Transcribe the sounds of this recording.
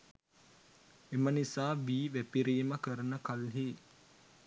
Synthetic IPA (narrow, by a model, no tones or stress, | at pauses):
emənisaːʋiːʋæpiɾiːməkəɾənəkalɦiː